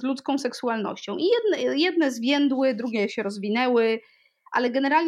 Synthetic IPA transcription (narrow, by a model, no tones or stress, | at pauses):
zlut̪skɔ̃w̃sɛksualnɔ̰ɕt͡ɕɔ̃w̃ʔijɛd̪̚nɛjɛd̪̚nɛzvʲjɛnd̪wɘd̪ɾuɡʲɛɕɛɾɔzvʲinɛwɘ | ʔa̰lɛɡɛnɛɾalɲ